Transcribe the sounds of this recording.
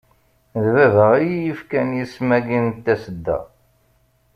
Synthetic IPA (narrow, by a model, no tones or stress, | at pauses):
ðvævəʁijjifkænjismæɡint̪ːæsəd̪ːæ̰